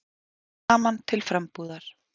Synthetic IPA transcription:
aːmant̪ʰɪlfɾɛmpuːðaɾ̥

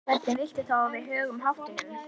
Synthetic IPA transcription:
vɛt̪nɪvɪl̥t̪ɪt̪ʰaːavɪðɦœːɣʏmɦaft̪ɪŋʏm

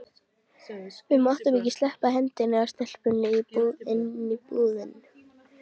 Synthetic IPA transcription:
vɪðmɔht̪ʏmicɪst̪lɛhpahɛnt̪ɪnɪast̪ɛl̥pʏnːɪipuðɪnːipuːðɪn

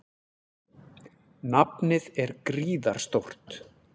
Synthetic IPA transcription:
napnɪðɛɾkɾiːða̰ɾ̥st̪owr̥t̪

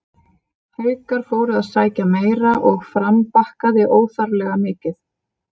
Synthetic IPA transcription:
hœːɥkaɾ̥foːwɾʏaðsaːjcameːjɾaʔɔɣfɾampahkaðɪʔoːwθaɾlɛɣamɪːcɪθ

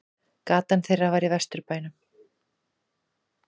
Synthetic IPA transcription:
kaːt̪anθejravaɾivɛst̪ʏɾpaːjnʏm

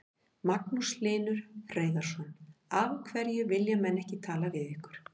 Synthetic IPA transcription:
maknuslɪːnʏɾ̥fɾeːjðaɾ̥sɔnavkʰvɛɾjʏvɪljamɛnːɛhcɪt̪ʰaːl̪avɪðɪhkʏɾ̥

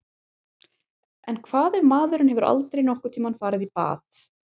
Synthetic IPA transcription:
ɛnkʰv̥aːðɛvmaːðʏɾʏnhɛvʏɾʔa̰lt̪ɾejnɔhkʏt̪ʰimanfaːɾɪðipa̰ːθ

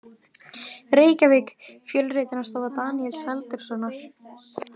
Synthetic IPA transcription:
ɾeːjcavɪkfjœlreːjt̪ɪnast̪aːðat̪aːniɛlshɛlt̪ʏɾ̥sɔnːaɾ̥

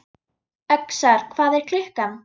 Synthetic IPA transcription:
œksaɾ̥kʰvaːðɛɾ̥kʰlɪhkan

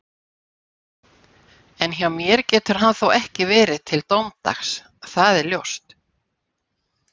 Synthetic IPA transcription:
ɛnçawmjɛɾcɛːt̪ʏɾ̥ɦanθowɛhcɪvɛːɾɪðt̪ʰɪlt̪owmt̪a̰xs | θaðɛɾljowst̪

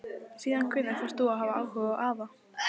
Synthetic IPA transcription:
siːðankʰvʏnːaɾ̥θast̪oːwaɦaːvaaːwhʏvaʔaːva

